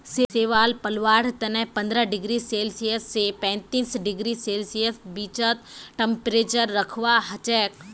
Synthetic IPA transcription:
seeːʋaːlpɐlʋaːɽt̪ɐnɛ̃ɦpɐ̃nd̪ɾəɖɪɡɾiseːlsijəsːepɛ̃ːnt̪iːsɖɪɡɾiseːlsijəsbiːt͡ʃət̪̚ʈẽmpɾeːt͡ʃəɾːɐkʰʋaɦɐt͡ʃɛːk

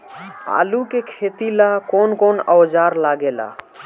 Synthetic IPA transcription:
a̰ːlukekʰeːt̪ilakonkoːnɔwd͡ʒaːɾlaɡela̰

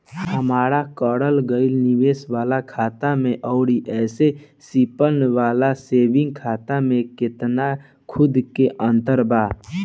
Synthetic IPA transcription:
həmaːɾakɔːɽəlɡəɪlniʋeːswaːlakʰaːt̪amẽʔɔːɽiʔɛːse | sipənwaːlaseːbɪ̃ŋɡ̚kʰaːt̪amẽkɪt̪na | kʰʊd̪keʔə̃nt̪əɾbaː

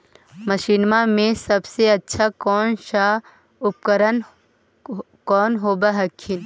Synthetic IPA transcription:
məʃiːnmamẽsɐbseɐtːʃʰakɔːnʃa | ʊp̚kəɾən | kɔːnɦoːbaɦɐkʰːɪn

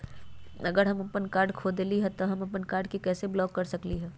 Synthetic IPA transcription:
ɐɡəɾɦɐmɐpənkaːɾɖkʰoːd̪liɦɛt̪oɦɐmɐpənkaːɾɖkikɛːseblɔːkːɐɾsɐkliɦɛː

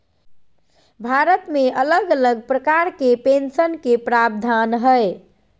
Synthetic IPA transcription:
bʱaɾət̪meʔələɡələɡ̚pɾəkaɾkepensənkepɾab̚d̪ʱanɦəj

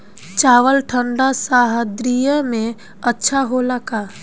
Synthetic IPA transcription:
t͡ʃaːʋəlʈʰə̃ɳɖasaːɦəd̪ɾijəmẽ | ɐtːʃʰaɦoləkaː

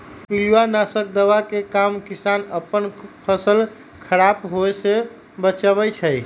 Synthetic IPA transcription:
piluwanasək̚d̪əʋakekamkisanəpːənpʰəsəl | kʰəɾapɦoese | bət͡ʃaβɛt͡ʃʰəj

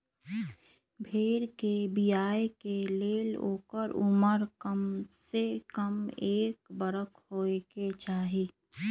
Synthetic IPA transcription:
bʱeːɾkebijaːekeleːlo̰ːkəɾʊməɾkəmsekəmeːkbəɾəkʰhoːeket͡ʃaːɦiː

